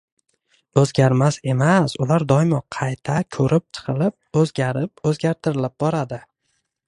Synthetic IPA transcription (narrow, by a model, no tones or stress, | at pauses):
ɵzɡʲaɾmase̞masʊlaɾd̪ɒmɒqʰɑjt̪ʰakʲʰɵɾʔɪp̚t͡ʃʰɨ̥qʰɨlɪp̚ɵzɡʲaɾɪp̚ɵzɡʲaɾt̪ʰɪɾɪlɪp̚bɒɾad̪ɪ